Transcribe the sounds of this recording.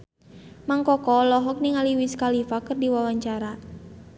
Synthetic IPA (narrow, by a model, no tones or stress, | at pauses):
maŋkɔkɔlɔɦɔk̚niŋaliwiskalifakɨrdiwawaɲt͡ʃaɾa